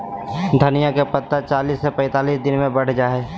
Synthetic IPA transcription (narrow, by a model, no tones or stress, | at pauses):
d̪ʱənɪjakepət̪ːat͡ʃaːliːsːepɛ̃ɪt̪aːliːsd̪ɪnmẽbɐɽ̤d͡ʒaːɦɛː